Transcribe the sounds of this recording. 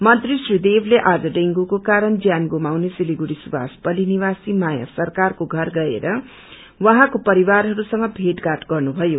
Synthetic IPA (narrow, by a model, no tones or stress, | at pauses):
mʌt̪risrid̪ebʱleʔad͡zʌɖeŋɡukokaɾʌnd͡zjanɡomawnesiliɡuɽisuba̰spʌliniwasimaja̰sʌrkarkoɡʱʌrɡʌḛɾʌ | wʌɦãkopʌɾiwarɦʌɾusʌŋɡʌbʱeʈɡaʈɡʌrnubʱʌjo